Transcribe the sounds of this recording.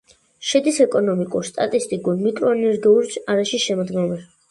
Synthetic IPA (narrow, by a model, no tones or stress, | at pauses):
ʃɛd̪isɛkʼɔnɔmikʼuɾst̪ʼat̪ʼist̪ʼikʼuɾmikʼɾɔɛnɛɾɡɛuɾt͡ʃaɾaʃiʃɛmɔd̪ɡɛmɛ